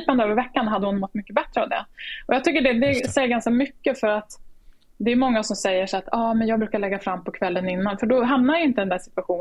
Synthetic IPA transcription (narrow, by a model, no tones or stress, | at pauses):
pand̪vəɾvɛkːanɦad̪ːəhʊnmɔt̪ːmʏkːəbɛt̪ɾəavd̪ɛ̰ʔɔjɑːt̪ʏkːəɖɛd̪ɛsɛjːɡanskamʏkːəfœɾat̪ | d̪ɛːjmɔŋːasɔmsɛjːəʂat̪ʰɑːmɛnjɑːɡ̚bɾʉ̟ːkaɭɛɡːafɾamːpʰɔkʰvɛlːənɪnːanfœɖɔɦamnaɾjaɪnt̪əd̪ɛnd̪æʂɪ̥t̪vaɧuːn